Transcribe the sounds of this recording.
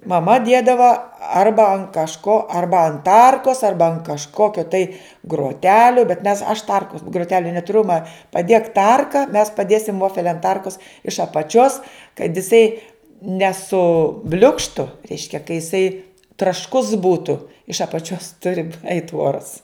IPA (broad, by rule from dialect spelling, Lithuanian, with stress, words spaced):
mɐˈmɐ ˈdʲiɛdɐʋɐ ˈɐrbɐ ɐn kɐʃˈkoː ˈɐrbɐ ɐn ˈtɐrkoːs ˈɐrbɐ ɐn kɐʃˈkoːkʲoː tɐɪ ɡroːˈtʲæːlʲʊ bʲɛt mʲɛs ɐʃ ˈtɐrkʊs ɡrʊˈtʲæːlʲʊ nʲɛtʊˈrʲʊ mɐ pɐˈdʲeːk ˈtɐrkɐ mʲɛs pɐˈdʲeːsʲɪm ˈʋoːfʲɛlʲ ɐn ˈtɐrkʊs ɪʃ ɐpɐˈt͡ʃʲoːs kɐt ɪˈsɐɪ nʲɛˈsʊ ˈbʲlʲʊkʃtʊ ˈrʲɛɪʃʲkʲɛ kɐ jɪˈsɐɪ trɐʃˈkʊs ˈbuːtʊ ɪʃ ɐpɐˈt͡ʃʲoːs ˈtʊrʲɪ ɛɪt ˈuɔrɐs